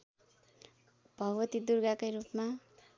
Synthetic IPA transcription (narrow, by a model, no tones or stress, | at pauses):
b̥ʱʌɡwʌt̪id̪urɡakʌjɾupma